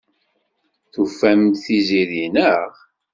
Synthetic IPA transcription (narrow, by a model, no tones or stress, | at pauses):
θufæmθiziðinəʁ